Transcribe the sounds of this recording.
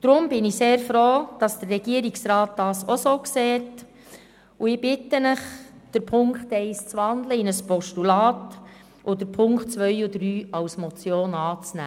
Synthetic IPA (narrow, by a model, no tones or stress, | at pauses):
d̥ɾʊmb̥ɪniseːɾfɾoːd̥ɑsd̥ərːɛɡ̥iəɾɪksɾɑːt̚d̥ɑːsosoːkseːt | uɪb̥ɪtːənəχd̥əɾpʰʊŋkχtɛɪst͡sʋɑndləɪnəspʰɔʃtulɑːt | ʔʊdəɾpʰʊŋkχtt͡sʋœjud̥ɾyːɑwsmɔt͡sjoːnɑːt͡snæ̰ː